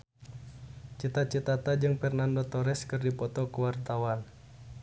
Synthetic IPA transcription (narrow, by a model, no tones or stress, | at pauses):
t͡ʃit̪at͡ʃit̪at̪ad͡ʒɨŋfɛrnandot̪ɔɾɛskɨrdipɔt̪ɔkəwart̪awan